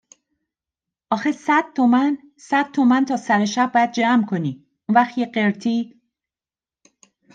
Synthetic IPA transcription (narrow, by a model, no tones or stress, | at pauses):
ʔɒːxesæd̪̥̚t̪ʰomæn | sæd̪̥̚t̪ʰo̞mænt̪ʰɒːsæɾeʃæb̚ːɒːjæd̪̚d͡ʒæmkʰo̞niː | ʔunvæχt̪jeɢeɾt̪ʰiː